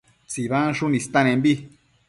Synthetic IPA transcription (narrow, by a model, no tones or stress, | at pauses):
t͡siβãʂunĩst̪ãnẽmbi